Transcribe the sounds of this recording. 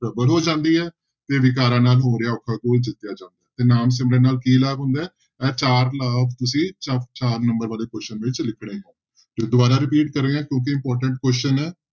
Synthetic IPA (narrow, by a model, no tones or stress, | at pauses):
pəbəlɦoːd͡ʒãːnd̪iːɛː | t̪eːʋɪkaːɾãːnaːlɦoːɾejaːʊkʰːaːkoːld͡ʒɪt̪ːɪjaːd͡ʒãːnd̪aːt̪eːnaːmsɪmɾeːnaːlkiːlaːbɦʊ̃nd̪aːɛː | ɛːt͡ʃaːɾlaːpʰt̪ʊsĩːt͡ʃapt͡ʃaːɾnəmbəɾʋaːleːkwɛsʃt͡ʃənʋɪt͡ʃlɪkʰɽeːɦɛ̃ː | t̪eːd̪ʊbaːɾaːɾɪpiːʈkəɾeːãːkjõːk̬ɪɪ̃mpɔːɾʈəɳʈkwɛːst͡ʃənɛː